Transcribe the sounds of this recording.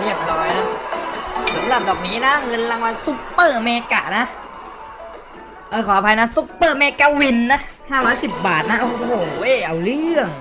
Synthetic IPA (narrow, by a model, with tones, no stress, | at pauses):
ɾi˥˩əp̚ɾɔː˦˥jna˦˥ | so˨˩˦nla˧˩m̚dɔː˨˩k̚niː˦˥na˦˥ŋɤ˧nla˧ŋwaː˧su˦˥pːɤː˧˩meː˧ka̰ː˨˩na˦˥ | ʔɤː˧˩kʰɔː˨˦a˦˩pʰa˧jna˦˥su˦˥pːɤː˧˩meː˧kaː˧wi˧nːa˦˥haː˧˥˩waː˧˥si˨˩p̚baː˨˩t̪̚na˦˥ʔo˧˩hoː˨˩ʔe˧˩ʔa˧˩wlɯ˥˩əŋ